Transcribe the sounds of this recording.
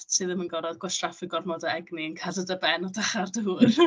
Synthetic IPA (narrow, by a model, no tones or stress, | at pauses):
ɨðəmənɡɔɾɔðɡwɛʃrafɪɡɔrmɔdaɛɡniənkʰadədəbɛnɔdaχardəuːr